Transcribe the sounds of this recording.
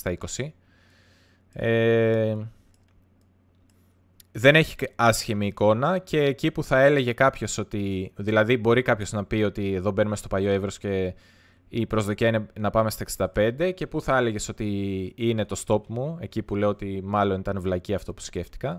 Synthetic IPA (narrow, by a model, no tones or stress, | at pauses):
st̪ɐiko̞si | e | ðe̞neçi̥ɐsçimiːko̞nɐce̞ːcipuθɐe̞le̞ʝe̞kɐpço̞so̞t̪iðilɐðibo̞ɾikɐpço̞znɐpio̞t̪ieðo̞be̞numest̪o̞pɐʎo̞evɾo̞sce̞ | ipɾo̞zðo̞cɐinenɐpɐme̞st̪ɐeksind̪ɐpe̞nd̪e̞ce̞puθɐe̞le̞ʝe̞so̞t̪iine̞t̪o̞st̪o̞pmue̞cipule̞oot̪imɐlo̞nit̪ɐnvlɐciɐft̪o̞pu̥sce̞ft̪i̥kɐ